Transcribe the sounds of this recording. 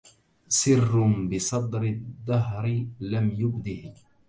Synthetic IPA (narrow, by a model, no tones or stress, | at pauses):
sɪrːʊbɪsˤɑd̪ɾɪd̪ːɑɦɾɪlamjʊbd̪ɪh